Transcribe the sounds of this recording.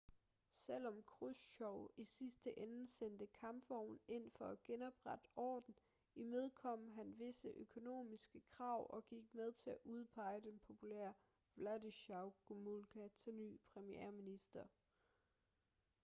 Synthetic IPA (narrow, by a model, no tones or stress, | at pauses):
sel̰ɒ̽mkʰʁusɕɒʊisisd̥əʔenəsen̰d̥əkʰɑ̈mb̥fɒʊn̩e̝n̰fɒ̽æɡ̥enɒ̽b̥ʁad̥əɒ̰ːd̥n̩ | imeð̞ˠkʰɒ̽m̰ɦænʋe̝səʔøkʰo̝no̝̰ːmisɡ̥əkʰʁɑ̈ʊ̰ʔɒ̽ɡ̥iɡ̥̚með̞ˠt͡sʰe̝æʔuð̞ˠpʰɑ̈ɪ̰əd̥enpʰo̝pʰulḛɐ | ʋlædiɕɑ̈ʊɡ̥umulɡ̥ʰæt͡sʰelny̰ːpʰʁɛmiḛɐminisd̥ɐ